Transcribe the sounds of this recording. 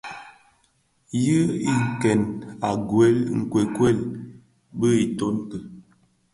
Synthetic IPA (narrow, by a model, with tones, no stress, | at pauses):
jɨ˦i˦ŋ̩˨kɛ˨na˨ɡwɛ˦lŋ̩˨kwe˨kwɛ˦˨l | bə˦i˨to˦ntə˨